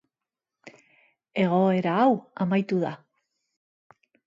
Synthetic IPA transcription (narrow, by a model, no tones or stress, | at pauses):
e̞ɣ̞o̞e̞ɾaːwamajt̪uða